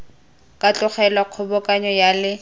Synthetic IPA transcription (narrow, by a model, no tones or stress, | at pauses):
kʼat͡ɬʼʊχɛlaq͡χʰʊbɔkʼaɲɔjalɪ